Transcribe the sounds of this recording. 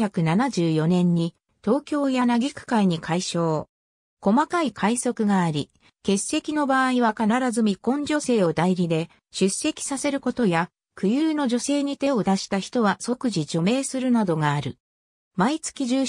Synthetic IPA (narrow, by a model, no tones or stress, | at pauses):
çakɯ̟nanaʑɨːjo̞nẽ̞ɲ̟ːi | t̪o̞ːkʲo̞ːjanaɡʲikɯ̟̥kaiɲ̟ikʰaiɕo̞ː | ko̞makaikʰaiso̞kɯ̟ɡaːɾʲi | ke̞se̞kʲino̞baːiβakanaɾazɨmʲikõ̞ɲ̟d͡ʑo̞se̞ːo̞d̪aiɾʲid̪e̞ | ɕɨse̞kʲi̥sase̞ɾɯ̟ko̞t̪o̞ja | kɯ̟jɯːno̞ʑo̞se̞ːɲ̟it̪e̞o̞d̪aɕi̥t̪açi̥t̪o̞βaso̞kɯʑid͡ʑo̞me̞ːsɨɾɯ̟nad̪o̞ɡaːɾɯ̟ | mait͡sɨ̥kʲiʑɨː